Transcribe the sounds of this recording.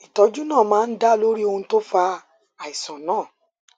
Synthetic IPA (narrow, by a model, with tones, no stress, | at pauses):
i˨tɔ˧˦d͡ʒu˦nãː˦˨mãː˦n̩˦da˦lo˦ɾi˦o˧hũ˧to˦fa˧ | a˨i˨sɔ̃˨nãː˦˨